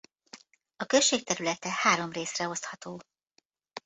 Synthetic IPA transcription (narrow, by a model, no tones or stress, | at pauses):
ɒkøʃːeːk̚t̪ɛɾylɛt̪ɛhaːɾo̞mreːsrɛo̞st̪hɒt̪oː